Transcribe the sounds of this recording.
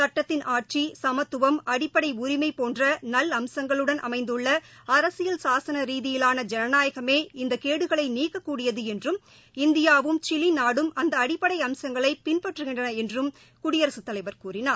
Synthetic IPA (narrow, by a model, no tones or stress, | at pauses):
sɐʈːɐt̪ːɪnʔaːʈ̚t͡ʃisɐmɐt̪ːɯʋɐmɐɽɪpːɐɽɐɪʊɾɪmɐɪpoːndrɐnɐlɐmsɐŋɡɐɭɯɽɐnʔɐ̰mɐɪnd̪ɯɭːɐɐɾɐsɪjɐlsaːsɐnɐɾiːðɪjɪlaːnɐd͡ʒɛnɐnaːjɐɣɐmeːɪnd̪ɐkeːɽɯɣɐɭɐɪniːkːɐkːuːɽɪjɐðɯɛndrɯm | ɪnd̪ɪjaːʋɯmt͡ʃɪlinaːɽɯmɐnd̪ɐɐɽɪpːɐɽɐɪɐmsɐŋɡɐɭɐɪpɪnpɐʈːrɯɣɪɳdrɐnɐɛndrɯm | kʊɽɪjɐɾɐsɯt̪ːɐlɐɪʋɐɾkuːrɪnaː